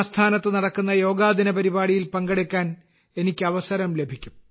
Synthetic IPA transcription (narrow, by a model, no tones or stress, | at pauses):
st̪ʰaːnɐt̪ːɨnɐɽɐkːunːɐjo̞ːɡaːd̪inɐpɐɾibaːɽijilpɐŋɡɐɽekʲːaːn | e̞nikʲːɨɐʋɐsɐɾɐmle̞bʱikʲːum